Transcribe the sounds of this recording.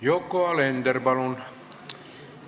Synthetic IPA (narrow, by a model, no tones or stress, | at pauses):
jokːoɑlend̪erbɑlun